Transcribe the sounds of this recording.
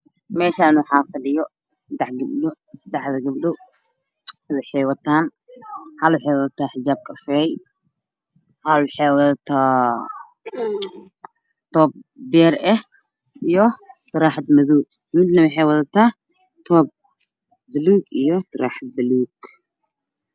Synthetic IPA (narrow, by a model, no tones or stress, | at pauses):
meʃanuħafɐlɨjo | sɨd̪aħɡɨblu | sɨd̪aħzɐɡɨbɗu | βiħewɐt̪ʰan | halwħewt̪ʰaħɪd͡ʒab̚kʰʼɐfej | halwħewt̪t̪ʰa | t̪ob̚beɾʔe | ʔɨjːot̪ʰɨɾaħt̪mɐðu | mɨd̪nɐmiħewɐt̪ɐt̪ʰa | t̪ʰob̚ | bɨlukɨjːot̪ʰɨɾa̰ħt̪̚bɨluɡ